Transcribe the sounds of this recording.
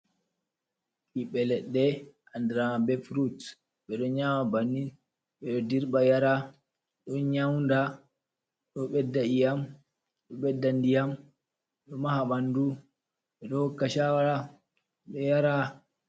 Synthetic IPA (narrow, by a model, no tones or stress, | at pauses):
ɓiɓɛlɛɗːɛ | andɾamabɛfɾut | ɓɛɗɔɲamabanːi | ɓɛɗɔdiɾɓajaɾa | ɗɔɲawnda | ɗɔɓɛdːaijam | ɗɔɓɛdːandijam | ɗɔmahaɓandu | ɓɛɗɔhɔkːaʃawaɾa | ɓɛjaɾa